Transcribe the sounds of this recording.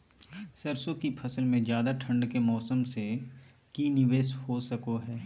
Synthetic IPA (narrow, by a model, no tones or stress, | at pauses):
sɐɾsokipʰɐsəlmẽzjaːd̪aʈʰɐ̃ɳɖkemɔːsəmse | kinɪʋeːshosɐkoɦɛː